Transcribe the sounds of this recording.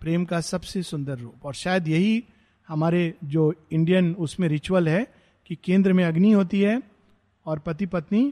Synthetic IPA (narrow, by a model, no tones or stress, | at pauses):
pɾeːmkasɐbsesʊ̃nd̪əɾːoːpɔːɾʃaːjəd̪jɐɦi | hɐmaːɾed͡ʒoːɪ̃ɳɖijənʊsmẽɾɪt͡ʃwəlɦɛ | kikẽːnd̪ɾəmẽɐɡniɦoːt̪iɦɛː | ɔːɾpɐt̪ipɐt̪ni